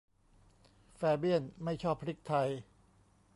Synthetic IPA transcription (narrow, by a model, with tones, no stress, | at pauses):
fɛː˧bi˥˩ənma˥˩jt͡ɕʰɔː˥˩pʰɾi˦˥k̚t̪ʰa˧j